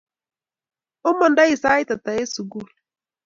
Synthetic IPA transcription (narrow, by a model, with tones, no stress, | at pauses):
ʊ˦mɔ˨nda˦i˨saː˦i˦ta˨t̪a˨e˦su˨ɡu˦˨l